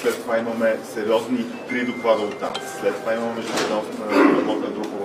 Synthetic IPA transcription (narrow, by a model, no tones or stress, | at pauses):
slɛt̪ːovaimɐmɛsɛɾʲjɔzni | p̪ɾid̪oklˠad̪əot̪ːa̰mslɛt̪ːovaimɐmɛmɛʒuɛd̪nɔɾɐbɔt̪nəd̪ɾuɡʊ